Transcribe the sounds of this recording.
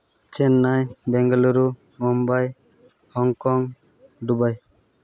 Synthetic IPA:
t͡ʃɛnːajbɛŋɡɔlɔɾu | mɔmbaj | hɔŋkɔŋ | ɖubaj

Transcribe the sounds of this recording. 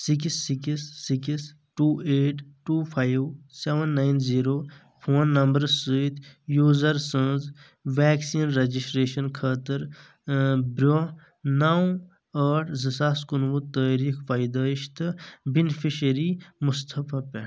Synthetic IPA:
sikisːikisːikis | ʈuːeːʈʈuːpʰaːjʋseʋɐnːajnziːɾoː | pʰoːnːɐmbəɾsəit̪ʰjuːzɐɾsə̃ːz | ʋɛːksiːnɾɐd͡ʒisʈɾeːʃɐnkʰəːt̪əɾ | bɾo | naw | əːʈʰzəsaːskunʋut̪əːɾiːkʰfaːjd̪aːiʃt̪ɨbinfiʃɐɾimust̪ʰɐpʰapɛʈ

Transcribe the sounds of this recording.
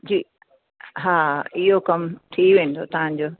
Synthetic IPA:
d͡ʒi | ɦaijokamt̪ʰiwend̪ot̪ãnd͡ʒo

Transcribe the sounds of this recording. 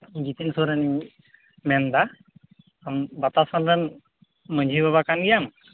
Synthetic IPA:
ɡit̪insoɾani | mɛnd̪aː | mbat̪asanɾən | məɲd͡ʒʱiβaβakanɡijam

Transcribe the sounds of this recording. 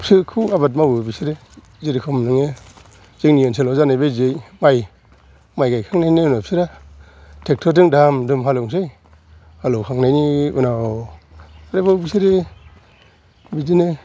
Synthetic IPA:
sɯkʰɯabat̬̚mawɯbisiɾe | ziɾikʰɔmnɯŋe | ziŋnijensʰelɔzanajbezejmaj | majɡajkʰaŋnajniunapsʰiɾa | tʰek̚tʰɔdɯŋdamdumɦalɔŋs̬ɯj | halowkʰaŋnajniɯ̰na | aɾebawbisiɾe | bizine

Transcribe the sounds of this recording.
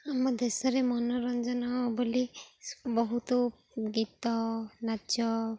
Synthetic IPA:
amɔd̪esɔɾemɔnɔɾɔnd͡ʒɔnɔbɔlibɔɦut̪ɔ | ɡit̪ɔnad͡ʒɔ

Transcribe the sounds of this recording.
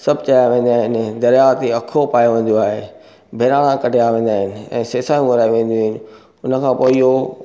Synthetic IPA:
sɐbt͡ɕaːjaʋẽːnd̪aːɦɪnɪd̪ɐɾjat̪iɐkʰopaːjoʋẽːn̆d̪oaːɦeː | bʱeːɾaːɽ̃ãkɐʈejaʋẽːnd̪aːɦɪnɪ̆ɛ̰̃ːseːsaːjũɡʊɾaːiʋẽːn̆d̪oɦɪnɪ̆ | ʊnə̆kʰãːpoːio

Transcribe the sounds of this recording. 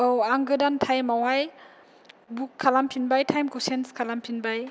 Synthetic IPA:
owaŋɡɯdantʰajmawaj | bukʰːalampʰinbajtʰajmkosenskʰalampʰinbaj

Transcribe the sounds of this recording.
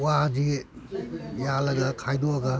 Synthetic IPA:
wad͡ʒi | jalɐɡɐkʰajdɔɐɡɐ

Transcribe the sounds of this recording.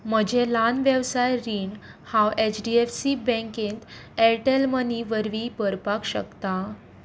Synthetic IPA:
m̤əd͡ʑʱelanʋjəʋsajɾiːɳhãwet͡ɕɖiefsibɛ̃ŋkẽnt̪ɛʈelməniʋəɾʋibəɾpakɕə̰kt̪a

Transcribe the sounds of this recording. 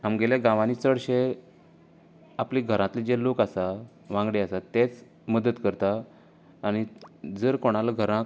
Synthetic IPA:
ɦamɡeleɡãʋanit͡səɽɕe | apliɡʱəɾãt̪lid͡ʑelokasa | ʋãŋɡɽeasat̪ːet͡s | məd̪ət̪kəɾt̪aː | ɽ̃id͡zəɾkoɽ̃alaɡʱəɾã

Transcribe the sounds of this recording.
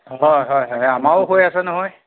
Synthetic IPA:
ɦɔjɦɔjɦɔjamaʊɦojasɛnɔɦɔj

